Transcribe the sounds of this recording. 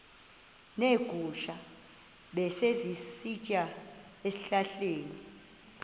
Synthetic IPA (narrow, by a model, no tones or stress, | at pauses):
neɡ̥ʱuʃa | ɓɛsezisit͡ʃʼa | esiɬaɬeːni